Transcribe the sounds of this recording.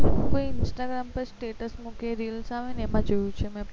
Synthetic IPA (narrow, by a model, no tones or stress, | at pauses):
koiɪnsʈaɡɾampəɾsʈeʈəsmũkeɾilsaʋẽnemãd͡ʒojũt͡ʃʰemɛ̃